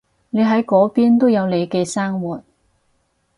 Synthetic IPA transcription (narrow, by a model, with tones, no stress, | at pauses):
ne˨˧jɦɐ˨˥jkɔː˨˥piː˥nt̪o˥wjɐ˨˧wle˨˧jkɛː˧saː˥ŋwuː˨t̚